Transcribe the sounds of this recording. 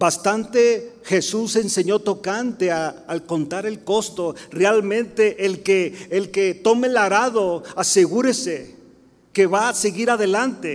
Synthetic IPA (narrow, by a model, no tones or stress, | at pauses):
bast̪ant̪e̞xe̞suse̞nse̞ɲo̞t̪o̞kant̪e̞aːlko̞nt̪aɾe̞lko̞st̪o̞realmẽ̞nt̪eʔːlkeːlket̪o̞melaɾaðo̞aseɣuɾese | keβaseɣiɾaðe̞lant̪e